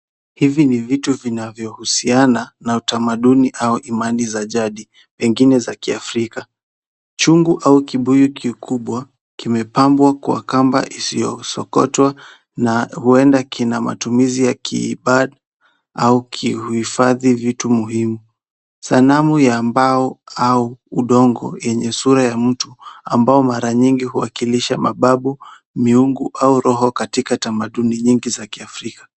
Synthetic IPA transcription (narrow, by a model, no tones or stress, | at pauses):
hivinivituvinavjɔhusiananautamaɗuniʔauʔimanizaʄaɗi | pɛŋɡinɛzakiafɾika | t͡ʃuŋɡuʔaukiɓujukʰikʰuɓwa | kimɛpambwakuwa̰kamba̰ʔisijɔ̰sɔkɔ̰twa | nahuɛndakʰinama̰tumizijakʰḭːɓaɗa | aukʰiuhifaðivitumuhimu | salamujaːmbaɔauuɗɔŋɡɔ̰jɛɲɛsuɾajam̩tua̰mbaɔmaɾaɲiŋɡihuwakiliʃamaɓaɓu | miuŋɡuʔauɾɔɦɔkatikatamaɗuniɲiŋɡizakiafɾikḁ